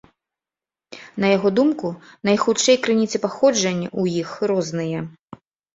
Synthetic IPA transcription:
nɐjaɣɔd̪umkunɐjxut̪t͡ʂɛjkɾɨnʲit̪sʲɛpaxɔd͡ʐɐnʲujixrɔznɨjɛ

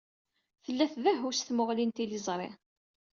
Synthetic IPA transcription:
θəlːæθðæɦusθmʊʁlint̪ilizˤɾˤḛ

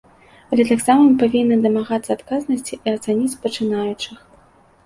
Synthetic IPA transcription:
ɐlʲɛt̪aksamɨmpavʲinːɐd̪ɐmaɣat̪sɐːt̪kaznɐsʲt͡sʲiʔiɐt̪sanʲit͡sʲpɐt͡ʂɨnajut͡ʂɨx

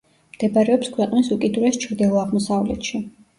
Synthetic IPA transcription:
md̪̥ɛbaɾɛɔpskʰwɛqʼnisukʼid̪uɾɛst͡ʃʰɾd̪ɛlˠɔaʁmɔsavlɛt̪ʃi

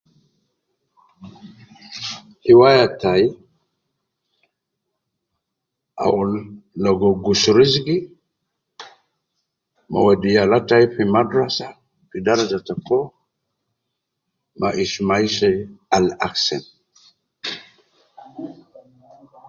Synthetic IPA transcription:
hiwajataj | a̰wulːɔɡɔɡusuɾizɡi | ma̰wadijalatajpimadɾasa | pidaɾad͡ʒatakɔ | ma̰ʔismajʃɛalaksɛ̰n

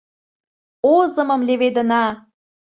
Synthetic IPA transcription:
ozə̆mɤ̆mlʲeβed̪ə̆nɑ

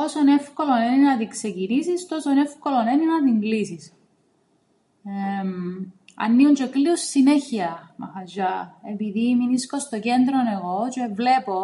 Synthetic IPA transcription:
o̞sone̞fko̞loneninɐt̪ikse̞cinisist̪osone̞fkoloneninɐt̪iŋɡlisis | mɐ̰nːiunt͡ʃekliusːineçiɐmɐxɐd͡ʒɐepiðiminiskost̪oce̞nd̪ɾone̞ɣo̞t͡ʃevle̞po

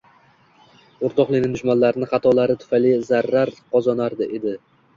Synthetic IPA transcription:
ʊɾt̪ʰɒqlˠɪnɪŋd̪ʊʃmanlaɾɪnɪχɑt̪ʰɒlaɾɪt̪ʰʊ̥fajlɪzaɾːaɾqʰɒzɒnaɾd̪ɪʔe̞d̪ɪ

